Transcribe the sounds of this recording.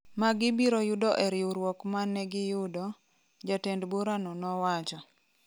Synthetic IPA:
maɡɪbiɾɔjudɔʔɛɾjuɾwɔkmanːɛɡɪjʊdɔ | d͡ʒatendbuɾanɔnɔwat͡ʃɔ

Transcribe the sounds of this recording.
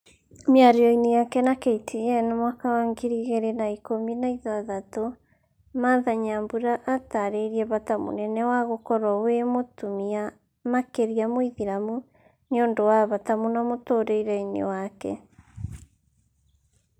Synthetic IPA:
mjaɾeɔinejakɛnakeitʰeɛnamwakawaŋɡiɾiɣeɾenaikominaiðaðato | maðaɲambuɾaʔataɾeiɾiɛβatamo̰nɛnɛwaɣokɔɾɔwemotumia | makeɾiamwiðiɾamu | neondowaβatamonamotoːɾeiɾainḛwakɛ̰

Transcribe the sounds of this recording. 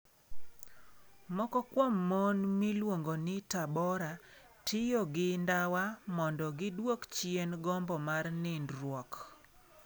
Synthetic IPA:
mɔkɔkwɔmːɔnmilwoŋɡonɪtabɔɾa | tɪjɔɡɪndawamɔndɔɡɪdwokt͡ʃjenɡɔmbɔmarnɪndɾwɔk

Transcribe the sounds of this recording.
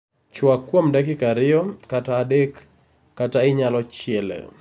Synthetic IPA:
t͡ʃwakːwomdɛkɪkaɾɪɔkataːdekː | ataɪɲalɔt͡ʃɪɛlɛ̰

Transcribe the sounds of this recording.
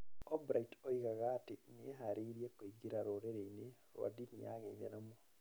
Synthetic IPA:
ɔbɾaitoiɣaɣaːtenieɦaɾiɾiekoiɡiɾaɾoɾeɾeine | ɾwa̰dinia̰ɣenɛnama

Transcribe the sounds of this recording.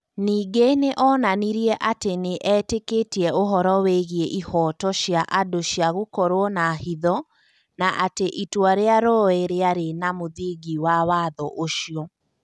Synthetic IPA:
niːɡeneʔɔnaniɾiɛʔateneʔɛteketiɛoɦɔɾɔweɣieʔihɔːtɔʃjaʔadoɕjaɣokɔɾwɔnahiðɔ | naʔateʔitwaɾeaɾɔeɾeaɾenamoðiɡiwawaːðɔʔoʃiɔ

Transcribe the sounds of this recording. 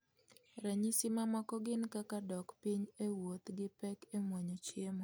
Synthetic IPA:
ɾɛɲisimamɔkɔɡɪnkakadɔkpiɲewot̪ɡɪpɛkemwaɲot͡ʃemɔ

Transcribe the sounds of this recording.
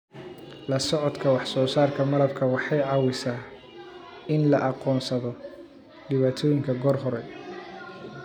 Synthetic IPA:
lɐsɔʕɔd̪kʰɐwɑħsɔːsaːrkʰɐmɐlɐb̚kʰɐwɑħɑjʕɑwɪsaː | ɪnlɐʔɑqɔːnsɐðɔ | ɖɪβaːt̪ʰɔːjɪŋkʰɐɡɔːrɦɔɾɛ

